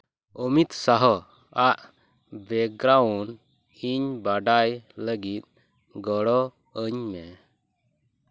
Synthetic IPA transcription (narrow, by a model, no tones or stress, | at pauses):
ɔmit̪saɦɔ | aʔ | bɛɡɾaun | iɲbaɖajləɡit̪̚ˀ | ɡɔɽɔ | əɲmɛ